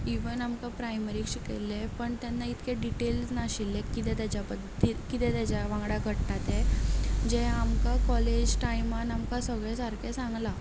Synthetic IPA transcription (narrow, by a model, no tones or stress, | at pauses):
iʋənamkapɾajməɾikɕikḛlːepəɳt̪janːait̪kʰeɖiʈelsnaɕilːekit̪ɛ̃t̪jat͡ɕjapəd̪ikit̪ɛt̪jat͡ɕaʋãŋɡɽakəɽʈat̪ed͡ʑeamkakɔled͡ʑʈajmanamkasəɡɭɛ̃saɾkɛsãŋɡla